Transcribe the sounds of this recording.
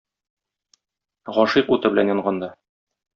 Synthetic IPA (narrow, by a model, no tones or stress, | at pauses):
ʁɒʃiqut̪ɤbɘ̆lænjɒɴɢɑnd̪ɑ